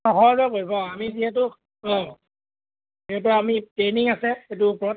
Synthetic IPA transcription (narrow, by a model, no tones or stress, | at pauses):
ɔxɔɹzɛpoɹibɔamiziɦɛt̬ʊ | ɔ̃ | iɦɛt̬ʊamitɹeniŋasɛetʊpɹɔ